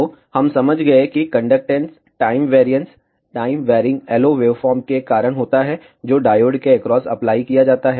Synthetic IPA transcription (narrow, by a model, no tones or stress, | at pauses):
ohɐmsɐməd͡ʒʱɡɐekikɐ̃ɳɖək̚ʈẽns | ʈaːɪmʋeːɾijə̃ɳʈs | ʈaːɪmʋɛːɾɪ̃ŋɡɛːloːʋeːʋfɔːɾmkekaːɾəɽ̃ɦoːt̪aɦɛ | d͡ʒoːɖaːjoːɖkeekɾɔːsɐ̰plaːikijad͡ʒaːt̪aɦɛ